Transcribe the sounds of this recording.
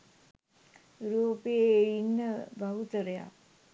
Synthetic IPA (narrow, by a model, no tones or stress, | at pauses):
ɾuːpeeinːəbʱaɦut̪əɾəja̰